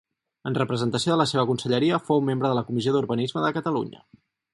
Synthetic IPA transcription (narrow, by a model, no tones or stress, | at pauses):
ənrəpɾəzənt̪əsioðələseβəkunsəʎəɾiəfowmembɾəðələkumizioðuɾβənizməðəkət̪əlṵɲə̰